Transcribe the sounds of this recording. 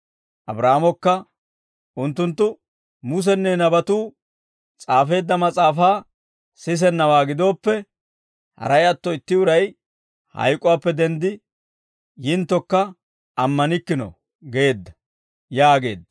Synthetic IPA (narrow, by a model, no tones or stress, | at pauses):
ʔɐbɾaːmɔkːɐ | ʔʊnt̪ːʊnt̪ːʊ | mʊs̬ɛnːɛnɐbɐt̪uː | t͡sʼaːfe̞ːd̪ːɐmɐt͡sʼaːfaː | sɪs̬ɛnːɐwaːɡɪd̪o̞ːpːɛ | hɐ̰ɾɐjɐt̪ːɔɪt̪ːɪʊɾɐj | hɐ̰jkʼɔwaːpːɛd̪ɛnd̪ɪ | jɪnt̪ːɔkːɐ | ɐmːɐnɪkːɪnɔ̰ | ɡe̞ːd̪ːɐ | jaːɡe̞̰ːd̪ːɐ